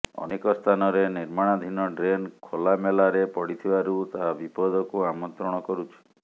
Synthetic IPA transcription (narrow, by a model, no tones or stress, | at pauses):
ɔ̰nekɔst̪ʰanɔɾeniɾmaɽ̃ad̪ʱinɔɖɾenkʰolamelaɾepɔɽit̪ʰibaɾut̪aɦabipɔd̪ʱɔkuamɔnt̪ɾɔɽ̃ɔkɔɾut͡ʃʰi̥